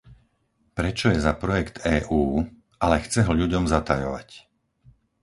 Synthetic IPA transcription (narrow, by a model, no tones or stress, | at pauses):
pɾɛt͡ʃɔjɛzapɾɔjɛkt̪ɛːʔuː | ʔalɛxt͡sɛɦɔʎuɟɔmzat̪ajɔʋa̰c